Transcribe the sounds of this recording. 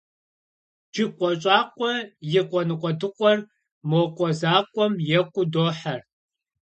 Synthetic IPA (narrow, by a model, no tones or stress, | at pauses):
d͡ʒɪqʷʼɔɕʼaːqʷʼɔjɪqʷʼɔnɨqʷʼɔdɨqʷʼɔr | moqʷʼɔzaːqʷʼɔmjɛkʷʼʊdoːħar